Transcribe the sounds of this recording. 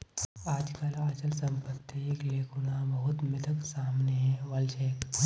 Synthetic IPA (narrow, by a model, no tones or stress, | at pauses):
aːd͡ʒkəlaːt͡ʃəlsɐ̃mpət̪ːieːkleːkʊnabɐɦʊt̪mɪt̪ʰəksaːmneɦɛ̃ʋɐlʃɛːk